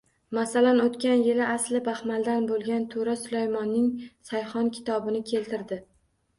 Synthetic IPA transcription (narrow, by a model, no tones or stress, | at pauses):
masalanot̪kʲanjɪlɪʔaslɪbaχmald̪anbolˠɡʲant̪ʰoɾasʊlajmɒnːɪŋsajχɒnkʲʰɪ̥t̪ʰɒbɪnɪkʲʰe̞lt̪ɪɾd̪ɪ